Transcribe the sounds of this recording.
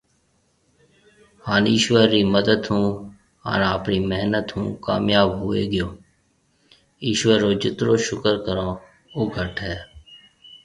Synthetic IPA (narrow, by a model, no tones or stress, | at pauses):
haːniːʃʋəɾːiːməd̪əd̪ɦũː | a̰nːəpniːməɦnət̪ɦṵ̃ːka̰ːmjaːbɦʊḛːɡɪjoː | iːʃʋəɾːoːd͡ʒɪt̪ɾoːʃʊkəɾkəɾãː | ʊɡʱəʈɦɛː